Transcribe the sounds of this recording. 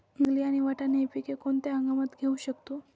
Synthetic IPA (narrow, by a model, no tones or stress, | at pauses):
əŋɡliːaɽ̃iʋaʈanepikekoɳt̪eɦəŋɡamət̪ɡʱeuɕəkt̪o